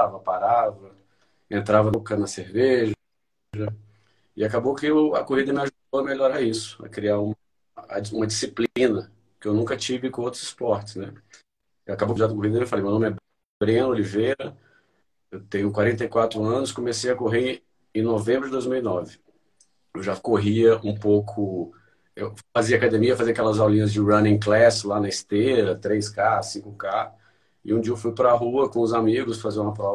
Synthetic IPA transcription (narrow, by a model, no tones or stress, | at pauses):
vɐpaɾavɐ | ẽnt̪ɾavɐkɐnɐseɾveʒɐ | ʒɐ | ɪakabokɪʊɐ̰koɦid̪ɐmɪaʒud̪owɐmeʎoɾaisʊ̥ɐ̰kɾiaɾũmɐ | ũmɐd͡ʒisiplĩnɐ | kɪewnũkɐt͡ʃivɪkõowt̪ɾʊz̥ɪ̥spɔɾt͡ʃɪ̥snɛ | ɪakabowd͡ʒad̪ɐkoɦid̪ɐmewfalejmewnõmɛ | bɾiɐ̃nolivejɾɐ | ewt̪ẽɲʊkwaɾẽnt̪̬ɐjkwat̪ɾʊɐ̃nʊskomesejɐkoɦe | ẽnovẽmbɾʊd͡ʒɪd̪ojzmiwinɔvɪ | ewʒakoɦiɐũpowkʰʊ | ewfaziɐːkad̪ẽmiɐfaziɐkɛlɐzawlĩɲɐzd͡ʒɪɾɐ̃nẽklɛsɪlanɐɪst̪eɾɐt̪ɾejskasĩkʊka | ɪ̰ũd͡ʒiɐewfujpɾɐɦuɐkõʊzamiɡʊsfazĩũmɐpɾɔ